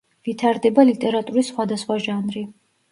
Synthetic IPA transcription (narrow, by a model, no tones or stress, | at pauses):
vit̪ʰaɾd̪ɛbalit̪ʼɛɾat̪ʼuɾisːχwad̪asχwaʒanɾi